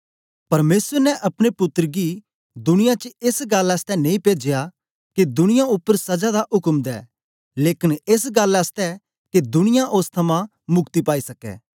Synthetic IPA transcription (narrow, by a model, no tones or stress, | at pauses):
pɐɾmeːsəɾnɛʔɐpɽ̃epʊt̪ːəɾɡi | d̪ʊñɪjãt͡ʃəesɡaːlɐst̪ɛnẽĩpeːd͡ʒja | ked̪ʊñɪjaʊpːəɾsɐd͡ʒad̪aʔʊkəmd̪ɛ̰ː | leːkɪnes̬ɡalɐst̪ɛ | ked̪ʊnɪjãʔoːst̪ʰɐmã | mʊkt̪ipaːisɐkɛ̰ː